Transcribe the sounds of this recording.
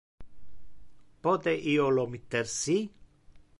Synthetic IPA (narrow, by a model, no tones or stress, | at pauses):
pɔt̪eʔiolomit̪ːeɾsi